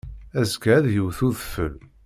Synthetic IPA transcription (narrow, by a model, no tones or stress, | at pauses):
æzkæðjəwθuðfə̰l